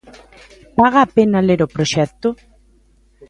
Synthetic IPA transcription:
paɣaːpenaleɾopɾoʃɛkt̪ʊ

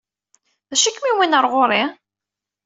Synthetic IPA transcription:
ðæʃikːmiwinəɾˤʁoɾˤi

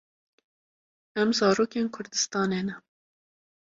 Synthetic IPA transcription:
ɛmzɑːɾoːkeːnkʰʊɾd̪ɨst̪ɑːneːnɛ

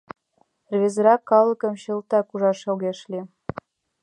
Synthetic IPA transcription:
rβʲezɾɑkːɑlˠɤ̆kɤ̆mɕɤ̆lt̪ɑkuʒɑʃɤ̆lɣeʃlʲi

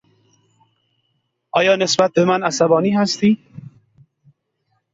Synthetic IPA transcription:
ɒːjɒːnesbat̪̚bemanasabɒːniːɦast̪iː

